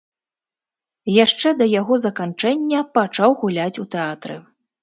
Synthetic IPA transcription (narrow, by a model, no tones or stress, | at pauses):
jaʂt͡ʂɛd̪ɐjaɣɔzɐkant͡ʂɛnʲːɐpat͡ʂawɣulʲat͡sʲut̪ɛat̪ɾɨ̰